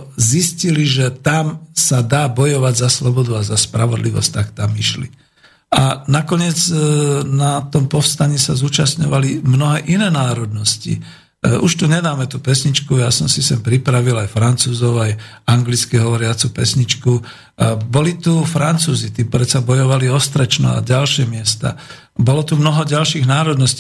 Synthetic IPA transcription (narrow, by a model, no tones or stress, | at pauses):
zisciliʒɛt̪amsad̪aːbɔjɔʋaɟzaslɔbɔd̪uazaspɾaʋɔd̪liʋɔ̰sc̚t̪akt̪amiʃlḭ | anakɔɲɪɛd͡znat̪ɔmpɔfst̪aɲiːsazuːt͡ʃasɲɔʋalimnɔɦɛːʔinɛːnaːɾɔd̪nɔscḭ | ʔuʃt̪uɲɛd̪aːmɛt̪upɛsɲit͡ʃkujasɔmsisɛmpɾipɾaʋilajfɾant͡suːzɔʊaj | aŋɡlit͡skiɦɔʋɔɾɪat͡supɛ̰sɲit͡ʃku | bɔlit̪ufɾant͡suːzit̪ipɾɛt͡sabɔjɔʋaliɔst̪ɾɛt͡ʃnɔ̰a̰ɟalʃɪɛmɪɛst̪a̰ | bɔlɔt̪umnɔɦɔɟalʃiːɣnaːɾɔd̪nɔsci